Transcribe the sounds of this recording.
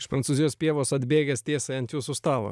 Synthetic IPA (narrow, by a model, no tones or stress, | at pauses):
ɪʃpɾɐntsuːzʲɪjoːspʲiɛʋoːsɐd̪ʲbʲeːɡʲɛsʲt̪ʲiɛsʲɛɐnt̪ʲjuːsʊst̪ɑːʋo̰